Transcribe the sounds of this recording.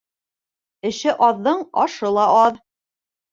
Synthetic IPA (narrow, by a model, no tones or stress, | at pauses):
ɘ̆ʃɘʔɒðːɤɴɒʃɤlˠɑʔɑð